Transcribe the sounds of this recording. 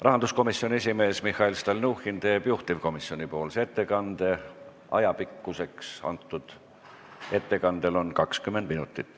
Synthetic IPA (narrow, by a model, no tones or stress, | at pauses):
rɑɦɑnd̪usko̞misjo̞nʲie̞s̬ʲime̞ːsmixːɑilst̪ɑlnuxint̪e̞ːbjuht̪ivko̞misjo̞nipo̞ːlset̪ːe̞kɑnd̪̥e̞ | ʔɑ̰jɑpikːuse̞ksɑ̰nt̪ːˑud̪̥ | e̞t̪ːe̞kɑnd̪̥e̞lo̞nkɑkskymːend̪̚minut̪ˑːit̪ːˑ